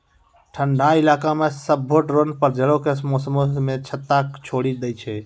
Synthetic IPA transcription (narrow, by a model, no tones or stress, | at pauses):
ʈʰəɳɖʱailaːkamesəbːoʈɾonpəɾd͡ʒəlokesmosəmomet͡ʃʰət̪ːakt͡ʃʰoɽid̪əjt͡ʃʰɛ